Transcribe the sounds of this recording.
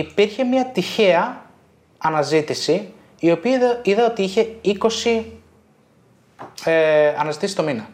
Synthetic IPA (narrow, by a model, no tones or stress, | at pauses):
ipiɾçe̞mɲɐt̪içe̞ɐ | ɐnɐzit̪isiː | o̞piiðɐo̞t̪iiçe̞iko̞si | eɐnɐzit̪isi̥t̪o̞minɐ